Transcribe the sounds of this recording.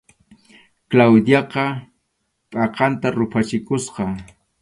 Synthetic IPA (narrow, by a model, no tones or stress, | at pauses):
klawd̪jɑqɑ | pʼɑqɑnt̪aɾʊpʰat͡ʃɪkʊsqɑ